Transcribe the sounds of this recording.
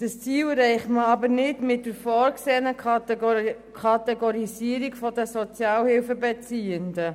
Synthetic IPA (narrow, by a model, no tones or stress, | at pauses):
d̥əst͡siːlɾɛɪχməɑbəɾnɪtmɪt̚dəɾfɔːɾkseːənə | kʰɑtɛɡoɾisiəɾikfɔdəsɔt͡sjɑːlhɪlfəbɛt͡siːəndə